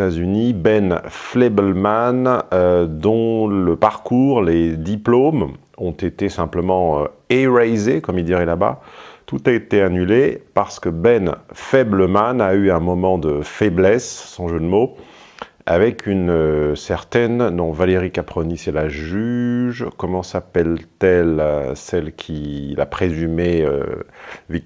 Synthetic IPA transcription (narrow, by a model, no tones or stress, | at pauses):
azynibɛnflebɛlmanød̪ɔ̃ləpaʁkuʁled̪iplom | ɔ̃t̪et̪esɛ̃pləmɑ̃øeʁɛjzekɔmild̪iʁɛlaba̰t̪ut̪aet̪eanylepaʁsə̥kəbɛnfɛbləmanayɛ̃mɔmɑ̃d̪əfɛblɛsːɑ̃ʒød̪əmo | a̰vɛkʰynøsɛʁt̪ɛnːɔ̃valeʁikapχɔnisɛlaʒyʒkɔmɑ̃sapɛlt̪ɛlsɛlkʲʰila̰pχezymeø̰vi